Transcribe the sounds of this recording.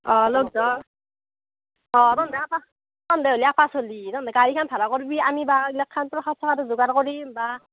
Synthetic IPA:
ɔlɔɡ̚dɔ | ɔtɔndɛapa | tɔndɛɦoliapʰasolitɔndɛɡaɹikʰanp̪ʰaɾakɔɹbiamibailɛkʰːantɔɹkʰasʰɔkʰatʊzuɡaɾkɔɹimba

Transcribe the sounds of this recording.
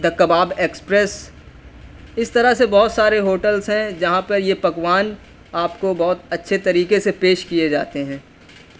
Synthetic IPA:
d̪ʱɐkːəbaːbeːkspɾɛs | ɪst̪ɐɾasebɔːt̪saːɾeɦoːʈəlzɦɛ̃d͡ʒɐɦãpɐɾjepɐkwaːn | aːpkobɔːʊt̪ɐtːʃʰet̪ɐɾiːkesepeːʃkied͡ʒa̰ːt̪eɦɛ̃ː

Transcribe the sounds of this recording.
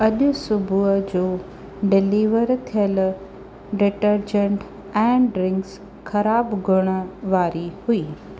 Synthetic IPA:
ɐʄʊsʊbʱuəd͡ʑoː | ɖɪliːʋəɾt̪ʰijəl | ɖɪʈəɾd͡ʑə̃ɳʈ | ɛ̃ːɖɾɪ̃ŋks | xʰɐɾaːbɡʱʊɽ̃ə̆ʋaːɾihuiː

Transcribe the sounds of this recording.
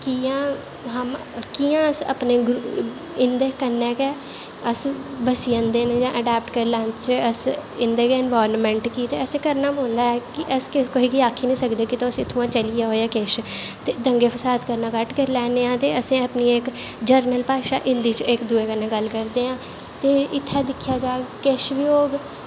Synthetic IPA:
kijãː | ɦəm | kiːãːəsə̰pneːɡɾ | ɪnd̪eːkənːɛːkɛː | əsbəsiːə̃nd̪eːned͡ʒãːʔəɖɛːp̚ʈkəɾlɛ̃ːnt͡ʃəsɪnd̪eːkeɪnʋaːɾnmɛ̃ːɳʈkiːt̪ḛːəsẽːkəɾnaːɦõːnd̪aːɛːkɪʔəskɪkoiːkiːaːkʰːiːnĩːsəkd̪eːkɪt̪aʊsɪt̪ʰːũːãːt͡ʃəlɪjaːɦoːjaːkeːʃt̪eːd̪əŋɡeːpʰəsaːt̪kəɾnaːkəʈkəɾlɛːneːãːt̪eːəsẽːəpniːekd͡ʒəɾnəlpaːʃa̰ːʔɪnd̪iːt͡ʃɪkd̪uːeːkənːẽːɡəlkəɾd̪eːãː | t̪eːɪt̪ʰːaːd̪ɪkʰːjaːd͡ʒaːkeʃʋɪjoːɡ

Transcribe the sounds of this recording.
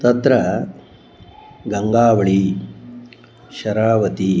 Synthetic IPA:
t̪ɐt̪ɾɐ | ɡɐŋɡaːʋɐɭi | ʃɐɾaːʋɐt̪i

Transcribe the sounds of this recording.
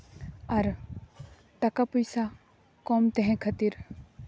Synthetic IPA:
ɐɾ | t̪ɐkapujsa | kɔːmt̪eɦɛ̃kʰɐt̪iɾ

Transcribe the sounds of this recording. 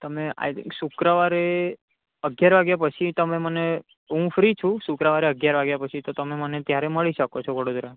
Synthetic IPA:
t̪əmea̰sukɾəʋaɾe | əɡjaɾʋaɡjapət͡ʃʰit̪əmeməne | ɦũfɾit͡ʃʰũsukɾəʋaɾeəɡjaɾʋaɡjapət͡ʃʰit̪ot̪əmemənet̪jaɾeməɭiʃəkot͡ʃʰɔʋəɽod̪ɾa

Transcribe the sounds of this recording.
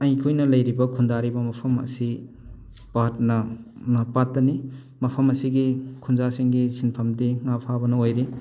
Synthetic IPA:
ɐjkʰujnɐlɐjɾibɐkʰundaɾibɐmɐpʰɐmɐ̰si | baɐt̚nɐnɐpatːɐni | mɐpʰɐmɐsiɡikʰunzasiŋɡisinpʰɐmdiŋapʰabɐnɐojɾi

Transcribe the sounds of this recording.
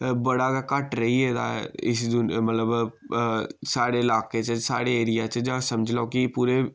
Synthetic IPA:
bəɽaːɡakəʈɾəɦiɛːd̪a̰ːɪsd̪ʊnmət̪ləb | saːɽeːɪlaːkeːt͡ʃəsaːɽeːeːɾɪjaːt͡ʃəd͡ʒãːsəmd͡ʒlaokɪpuːɾeː

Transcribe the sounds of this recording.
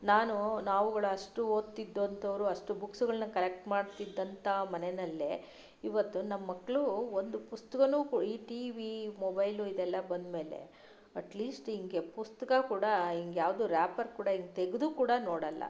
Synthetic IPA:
naːnunaːʋuɡɐɭuɐʂʈuoːt̪ːid̪ːont̪ʰɐʋɾuɐʂʈubuksuɡɐɭɐnɐkɐlek̚ʈmaːɖt̪id̪ːɐnt̪ɐmɐnenɐlːe | iʋɐt̪ːunɐmɐːɐkːɐɭuond̪upust̪ɐkɐnuːkuːiːʈiːʋimobɐjluid̪ɛlːɐbɐnd̪me̞ːle̞̰ | ɐʈliːsʈiŋɡe̞pust̪ɐkɐkuːɽɐiŋɡjaːʋd̪uɾaːpɐɾkuːɽɐiŋɡet̪eɡed̪uːkuːɽɐnoːɽɐlːɐ̰

